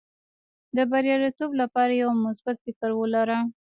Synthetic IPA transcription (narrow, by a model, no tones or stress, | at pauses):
d̪əbaɾjɑlit̪oblapɑɾajawmʊsbat̪fɪkəɾwəlaɾa